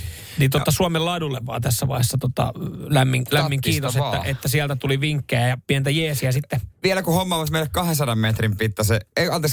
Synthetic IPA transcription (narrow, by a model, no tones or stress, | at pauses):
nint̪ot̪ːɑsuomelɑdulːeʋːɑ̰ːt̪æsːæʋɑ̰ihesːɑt̪ot̪ɑ̰læmːiŋlæmmːiŋkiːt̪osetːæʔet̪ːæsiælt̪æt̪uliʋiŋkːejæjɑpient̪æjeːsiæsit̪ːeʋielækuhomːɑʋoˑsmeilekkɑhensɑdɑmmet̪rimpit̪ːɑseeiɑnt̪ɑs